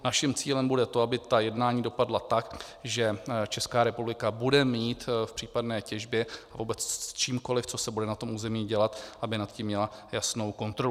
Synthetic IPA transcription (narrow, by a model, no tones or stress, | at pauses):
naʃɪmt͡siːlɛmbudɛt̪o̞abɪt̪ajɛdnaːɲiːdo̞padlat̪akʒɛt͡ʃɛskaːɾɛpublɪkabudɛmiːt̪fpr̝̥iːpadnɛːcɛʒbjɛavuːbɛt͡st͡ʃiːmko̞lɪft͡so̞sɛbudɛnat̪o̞mʔuːzɛmiːɟɛlat̪ʔabɪnat̪cimːɲɛlajasno̞wko̞nt̪ɾo̞